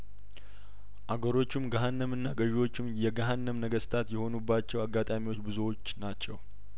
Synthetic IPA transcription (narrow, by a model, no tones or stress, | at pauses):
ʔaɡəɾo̞t͡ʃːɪmɡəɦanːəmɨnːaɡəʒiwo̞t͡ʃːɪmjɛɡaɦanːəmnəɡəst̪ʰat̪jɛho̞nubːat͡ʃːɛwaɡːat̪ʼamiwo̞t͡ʃːbɨzowot͡ʃːnat͡ʃːɛw